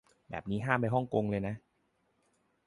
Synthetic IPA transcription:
bɛ̰ː˨˩p̚niː˦˥ɦaː˥˩mpa˧jɦɔ˥˩ŋko˧ŋlɤː˧jna˦˥ʔ

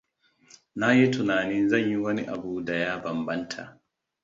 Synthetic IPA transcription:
na˦ji˦tʊ˨naː˨nɪ˦nzɐ˦˨ɲji˦wɐ˦nḭ˦ʔa˨buː˦da˨jaː˦bɐ˨mbɐ˦ntʰa̰˨ʔ

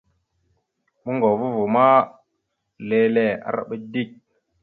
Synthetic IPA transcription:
mə˦ŋɡo˨vu˦vu˨ma˦ | le˦le˨a̰˨ɾa̰˦ɓə˦di˦˨k̚

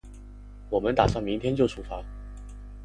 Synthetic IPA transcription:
wɔ˨˩mə˦nt̪a˨˩sɑ˥˩ŋmi˧˥ŋt̪ʰjɛ˥nt͡ɕjo˥˩ʊʈ͡ʂʰu˨˩fa˧˥

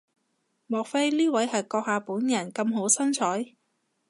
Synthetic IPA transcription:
mɔː˨k̚fe˥jliː˥wɐ˨˥jhɐ˨jkɔː˧k̚haː˨˧puː˨˥njɐ˨˩nkɐ˧mɦo˨˥wsɐ˥nt͡ʃʰɔː˨˥j

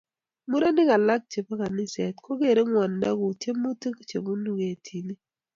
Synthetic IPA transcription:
mu˦ɾa˦nɪ˦ka˨la˦k̚t͡ʃe˨pa˦ka˨nɪ˦sɛ˨tko˦ke˦˨ɾe˦ŋwa˨nda̰˦ku˨tje˦mu˦te˦kt͡ʃe˨ku˦nu˦˨ɡe˨tʰi˨ni˦

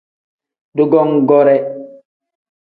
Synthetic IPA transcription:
du˦ɡɔ˦ŋɡɔɾɛ˦

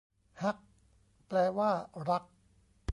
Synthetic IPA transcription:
ha˦˥k̚ | plɛː˧waː˥˩ɾa˦˥k̚

